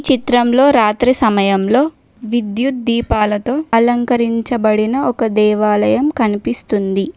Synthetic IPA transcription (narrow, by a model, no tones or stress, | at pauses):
t͡ʃit̪ɾɐmlo̞ːɾaːt̪ɾisɐmɐjɐmlo̞ː | ʋid̪jud̪iːpaːlɐt̪o̞ːɐlɐŋkɐɾiɲt͡ʃɐbɐɽinɐʔɔkɐd̪ɛːʋaːlɐjɐmkɐnipist̪und̪i